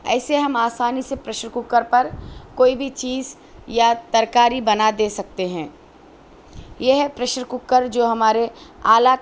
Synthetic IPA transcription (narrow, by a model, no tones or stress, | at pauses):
ɛ̰ːseɦɐmaːsaːnisepɾɐʃɾkʊkːəɾpɐɾkoːibʱit͡ʃiːz | jat̪ɐɾkaːɾibɐnad̪eːsɐk̚t̪eɦɛ̃ː | jeɦɛpɾɐʃɾkʊkːəɾd͡ʒoːɦɐmaːɾeaːla